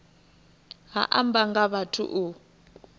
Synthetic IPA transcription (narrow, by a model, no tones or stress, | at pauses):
ɦa̰ʔa̰mbaŋɡaβatʰṵʔu